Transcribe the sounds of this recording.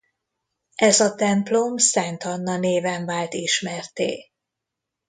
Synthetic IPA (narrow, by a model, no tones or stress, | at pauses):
ʔɛzɒt̪ɛmplomsɛnt̪ɒnːɒneːvɛɱvaːlt̪iʃmɛrt̪ḛː